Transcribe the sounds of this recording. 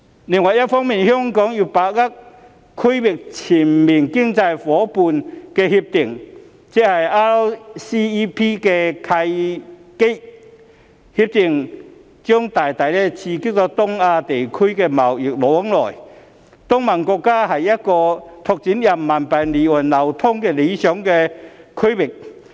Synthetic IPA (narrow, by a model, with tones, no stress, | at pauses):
li˧˨˩ŋwɐ˨˩jɐ˦˥t̚fɔː˥ŋmiː˨˩nhjɔ˥ŋkɔː˨˥ŋji˧˩paː˨˩k̚la˦˥k̚ | kʰu˥jwi˨k̚t͡sʰi˨˩nmi˨˩nki˥ŋt͡sa˧jfɔː˨˦pu˧nkɛː˧hi˧p̚t̪i˨˩ŋ | t͡sɛ˥k̚hɐ˨˩jʔa˧˥siː˥i˧pʰi˥kɛ˧kʰɐ˧jke˥ | hi˧p̚t̪ɪ˨˩ŋ | t͡ɕœ˥ŋt̪aː˨˩jt̪ɐ˨˩jlɛ˧t͡sʰiː˧ki˥k̚t̪ɔ˧˥t̪ʊ˥ŋaː˧t̪e˨jkʰɵ˥ɥkɛː˧mɐ˨˩wjɪ˨˩k̚lɔː˨˦˥ŋlɔː˨˩j | t̪ʊ˥ŋmɐ˨˩nkɔː˧kːaː˥ɦɐ˨˩jːɐ˥t̚kɔː˧t̪ʰʊ˧k̚t͡siː˨˥njɐ˨˩mːɐ˨˩npɐ˨˩jliː˨˩wɐ˨˩nlɐ˨˩wt̪ʰʊ˥ŋkɛː˧le˨˧jsœː˨˥ŋkɛ˧kʰɵ˥jwɪ˨˩k̚